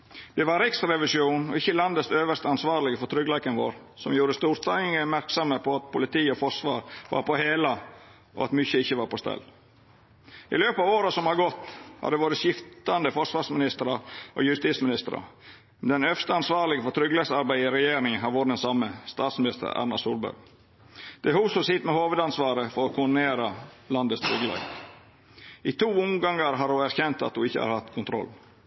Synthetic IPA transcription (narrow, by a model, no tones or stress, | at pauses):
d̪̥ɛʋɑɾɪksɾɛʋɪsjuːnɔ̰ɪçːəlɑnd̪əsøːʋəʂt̪əɑnsʋɑːɾlɪɡəfɔɾt̪ʰɾʏɡlækənʋo̰ːɾ | sɔmjuːɾəst̪uːɾt̪ʰɑɪŋəmæɾksɔməpʰɔɑt̪pʰʊlɪt̪ʰiːəɔfɔʂʋɑːɾʋɑ̰ːɾpɔheːlɑ | ʔɔ̰ɑt̪mʏçəɪçːəʋɑːɾpɔst̪ɛ̰lː | ɪ̰løːpɑːʋoːɾəsɔmhɑɾɡɔt̪ːhɑ̰d̪ɛʋoːɾəsjɪft̪ɑnd̪əfɔʂʋɑːʂsmɪnɪst̪əɾɑʔo̰jʉst̪iːt̪smɪnɪst̪əɾɑ̰ | mɛd̪ɛnœfst̪əɑnsʋɑːɾlɪɡəfɔt̪ʰɾʏɡlɛsɑɾbæɪəɪɾɛjeːɾɪŋɦɑɾʋuːɾd̪ɛnsɑmːəst̪ɑːt̪smɪnɪst̪ə̰ɾɑ̰ɾnɑsuːlbæ̰ɾɡ | d̪̥ɛhuːsʊsɪt̪mɛhoːʋəd̪ɑnsʋɑːɾəfɔɾɔkʰʊɖneːɾɑ | lɑnd̪ət̪st̪ʰɾʏɡəlɑ̰ | ɪt̪ʰuːʊŋɡɑŋəɾɦɑːɾʊæɾçɛnt̪ɑ̰t̪̚d̪ʊɪçːə̰hɑ̰ːɾhɑt̪ːkʰʊnt̪ʰɾɔ̰lː